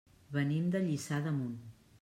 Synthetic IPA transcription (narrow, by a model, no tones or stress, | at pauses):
βənimd̪əʎisaðəmun